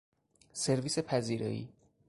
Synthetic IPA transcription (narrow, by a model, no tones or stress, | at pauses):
se̞ɾviːsepʰæziːɾɒ̰ḭː